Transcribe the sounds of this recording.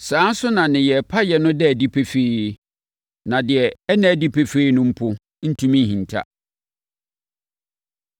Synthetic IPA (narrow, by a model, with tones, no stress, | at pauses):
sãː˦n̩˦sʊ˦nã˨nɪ̃˨jɛ˨pʰa˦jɛ˨nʊ̃˦dɛ˦æ˨di˦pʰe˦feː˦ | nã˨dɪ˨ɛ˨ɛ˦nã˦˨di˦pʰe˨fe˦i˦nʊ̃˦m̩˦pʰʊ˦ | n̩˦tʰũ˦mĩ˦ɦĩ˨n˨tʰa̰˦